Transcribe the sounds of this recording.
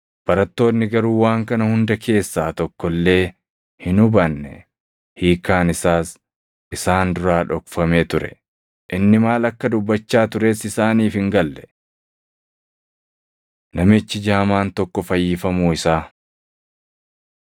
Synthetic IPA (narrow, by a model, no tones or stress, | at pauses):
b̥ɐɾɐt̪ːo̞ːnːɪɡɐɾuːwaːŋkɐnɐhʊnd̪ɐkʰe̞ːsːaːt̪ɔkːɔlːe̞ː | hɪnʊbɐnːɛ̰ | hiːkaːnɪsaːs | ʔɪsaːnd̪ʊɾaːᶑɔkfɐmeːt̪ʊɾɛ̰ | ʔɪnːɪmaːlɐkːɐd̪ʊbːɐt͡ʃːaːt̪ʊɾe̞ːsɪsaːniːfɪŋɡɐlːɛ̥ | nɐmɪt͡ʃːɪd͡ʒaːmaːnt̪ɔkːɔfɐjːɪfɐmuːɪsaː